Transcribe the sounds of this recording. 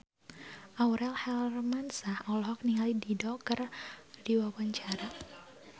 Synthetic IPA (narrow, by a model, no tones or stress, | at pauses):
ʔawɾɛlhɛlrmansahawlɦɔk̚niŋalididɔkərdiwawaɲt͡ʃaɾa